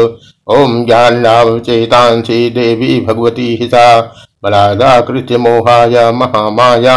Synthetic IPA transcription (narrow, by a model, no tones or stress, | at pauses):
oːmɡʲjaːnnaːʋɐʋt͡ʃeːt̪aːnsid̪eːbiːbʱɐɡʋɐt̪iːɦisaː | bɐlaːd̪aːkɾɪt̪jɐmoːɦaːjamɐɦaːmaːja